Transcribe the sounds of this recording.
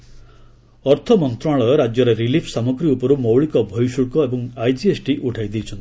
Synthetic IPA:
ɔɾt̪ʰɔmɔnt̪ɾaɭɔɾad͡ʒjɔɾeɾilipʰsamɔɡɾiupɔɾumɔwɭikɔbʱɔjʃuɭkɔebɔŋajd͡ʒiesʈiʔuʈʰajd̪iːt͡ʃʰɔnt̪i̥

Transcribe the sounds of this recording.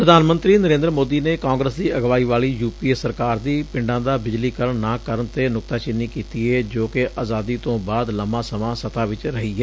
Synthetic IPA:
pɾəd̪ʱaːnmə̃nt̪ɾiːnəɾẽːnd̪ɾəmoːd̪iːneːkaːŋɡɾəsd̪iːʔəɡʋaːiːʋaːliːjuːpiːsəɾkaːɾd̪iːpɪɳɖãːd̪aːbɪd͡ʒliːkəɾəɳnãːkəɾəɳt̪eːnʊk̚t̪aːt͡ʃɪnːiːkiːt̪iːɛːd͡ʒoːkeʔaːzaːd̪iːt̪õːbaːd̪ləmãːsəmãːsət̪aːʋɪt͡ʃɾəɦiːɦɛː

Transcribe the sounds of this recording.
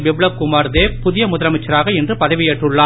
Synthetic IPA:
bɪbɭɐkʊmaːɾðeːpʊðɪjɐmʊðɐɾɐmɪt͡ʃːɐɾaːɣɐɛndrɯpɐðɐʋɪjeːʈrɯɭːaː

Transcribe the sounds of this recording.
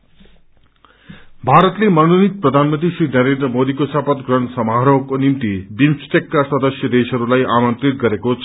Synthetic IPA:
bʱaɾʌt̪lemʌnunit̪̚prʌd̪ʱanmʌnt̪isrinʌɾend̪rʌmod̪ikosapʌt̪ɡrʌnsʌmaɦɾʌwkonimt̪ib̪imsʈekːaswʌd̪ʌsjʌd̪esʌɾulajʔamʌnt̪rit̪̚ɡʌɾekot͡sʰ

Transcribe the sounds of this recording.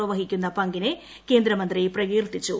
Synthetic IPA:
ɐʋɐɦikʲːunːɐpɐŋɡine | ke̞ːnd̪ɾɐmɐnd̪rijprɐɡiːrt̪ːit͡ɕːu

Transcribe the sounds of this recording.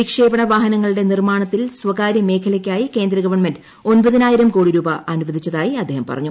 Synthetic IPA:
ikʂe̞ːbɐɳɐʋaːɦɐnɐŋːɐɭuɽe̞nirmaːɳɐt̪ːilswɐkaːɾjɐme̞ːkʰɐlɐkʲːaːjike̞ːnd̪ɾɐɡɐʋɐrɳmend | o̞nbɐðinaːjiɾɐmkoːɽiɾuːbɐʔɐnuʋɐd̪ʱit͡ɕːɐðaːjiɐd̪ʱːe̞ːhɐmpɐ̰rɐ̰ɲːu

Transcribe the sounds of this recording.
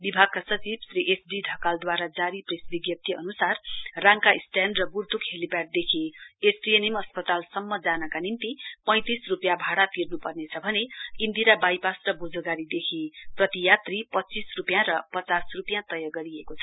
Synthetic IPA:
bibʱaɡ̚kasʌt͡sibsɾiʔesɖiɖʱʌkald̪waɾad͡zaɾipresbiɡjʌt̪ʰiʌ̰nusarraŋkaisʈjanɖrʌburt̪ukʰhelipaʈ̚d̪ekʰeesʈienimʌspʌt̪alsʌmːʌd͡zanʌkanint̪ipʌ̃j̃t̪isrupjãbʱaɽat̪irnupʌrnet͡sʰʌbʱʌneind̪iɾabajpasrʌbud͡zoɡaɾid̪ekʰeprʌt̪ijat̪ripʌtːt͡sisrupjãɾʌpʌt͡sasrupjãt̪ʌjʌɡʌɾiekot͡sʰʌ̥

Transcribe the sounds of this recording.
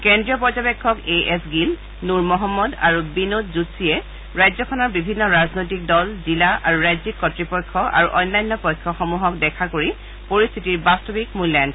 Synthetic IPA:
kɛndɹiɔpɔzɔbekʰːɔkeʔɛsɡil | nuɹmɔɦɔmːɔda̰ɹubinotzutsiɛ | ɹajzɔkʰɔnɔɹbibʱinːɔɹaznojtik̚dɔlzilaʔa̰ɹuɹajzikːɔtɹipɔjkʰːɔʔa̰ɹuʔɔjnlajnːɔpɔjkʰːɔxɔmuɦɔkdɛkʰakoɹi | poɹist̪ʰitiɹbastɔbikmulan

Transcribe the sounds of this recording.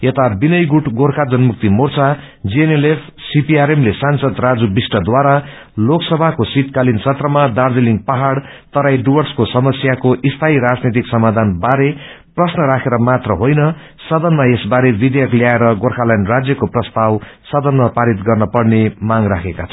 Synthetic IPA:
et̪abinʌjɡuʈɡorkʰad͡zʌnmuk̚t̪imort͡sʰa | d͡zienelepʰsipiaɾemlesansʌd̪rad͡zubisʈʌd̪waɾa | loksʌbʱakosit̪kalinsʰʌt̪rʌmad̪ard̪eliŋɡpaɦaɽ | t̪ʌɾajɖuwʌrskosʌmʌsjakoʔist̪ʰaiɾad͡znet̪̬iksʌmad̪ʱanbaɾe | prʌsnʌɾakʰeɾʌmat̪rʌɦojnʌ | sʌd̪ʌnmaesbaɾebid̪ejʌkljaeɾʌɡorkʰalajnrad͡zjʌkoprʌst̪awsʌd̪ʌnmapaɾit̪ɡʌrnʌpʌrnemaŋrakʰekat͡sʰʌ

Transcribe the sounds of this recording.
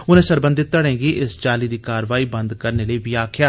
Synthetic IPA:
ʊnẽːsəɾbə̃nd̪ɪt̪̚t̪ːəɽẽːɡiːʔɪst͡ʃaːliːd̪iːkaːɾʋaːiːbənd̪kəɾneːləiːbiːaːkʰjaː

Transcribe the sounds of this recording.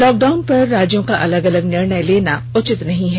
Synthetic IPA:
lɔːk̚ɖaːʊnpɐɾːaːd͡ʒjõkaʔɐləɡɐləɡnɪɾɳəjleːnaʊt͡ʃɪt̪nɐɦĩɦɛː

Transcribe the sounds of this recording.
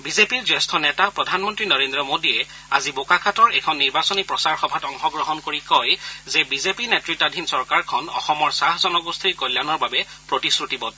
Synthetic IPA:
bizepiɹzɛstʰɔnɛtapɹɔdʱanmɔntɹinɔɹendɹɔmodiɛ | a̰zibokakʰatɔɹɛkʰɔnːiɹbasɔnipɹɔsaɹxɔbʱatɔŋxɔɡɹɔɦɔnkoɹikɔjzɛbizepinɛtɹitadʱinsɔɹkaɹkʰɔnɔ̰xɔmɔɹsaɦzɔnɔɡust̪ʰiɹkɔlːjanɔɹbabɛ | pɹotisɹutibɔt

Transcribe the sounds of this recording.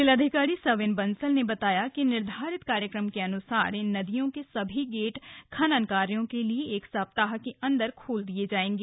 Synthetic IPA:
ɪləd̪ʱɪkaːɾisɐʋɪnbɐnsəlnebɐt̪aːjakinɪɾd̪ʱaːɾɪt̪kaːɾjəkɾəmkeɐnʊsa̰ːɾɪnːɐd̪ijõkesɐbʱiɡeːʈkʰɐnɐnkaːɾjõkelieːksaːp̚t̪aːɦkeʔɐ̃nd̪əɾkʰoːld̪ied͡ʒaːẽːŋ̆ɡeː

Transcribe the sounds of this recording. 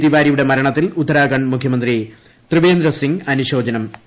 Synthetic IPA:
t̪iʋaːɾijuɽe̞mɐɾɐɳɐt̪ːilut̪ːɐɾaːɣɐɳmukʰjɐmɐnd̪ri | t̪rɨʋeːnd̪ɾɐsiŋɡɐnuɕo̞ːd͡ʑɐnɐm

